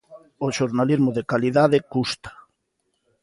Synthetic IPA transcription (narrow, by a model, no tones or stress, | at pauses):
oʃoɾnalizmoðekaliðað̞ekust̪ḁ